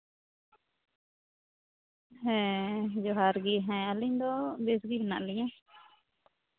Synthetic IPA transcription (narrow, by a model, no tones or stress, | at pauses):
hɛ̃d͡ʒɔɦaɾɡiɦãaliɲd̪ɔbesɡibɛna̰ʔliɲã